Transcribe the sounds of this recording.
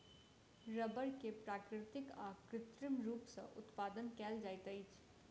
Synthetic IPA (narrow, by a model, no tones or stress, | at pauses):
ɾɐbəɾkepɾaːkɾɪt̪ɪkaːkɾɪt̪ɾɪmɾuːpsɐ̰ʔʊ̰t̪paːd̪ənkɛːld͡ʒaːit̪əit͡ʃ